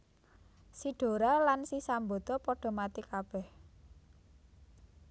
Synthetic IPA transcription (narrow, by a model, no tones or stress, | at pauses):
siɖ̥o̤ɾalansisambot̪ɔpɔɖ̥ɔ̤mat̪ikab̥ɛh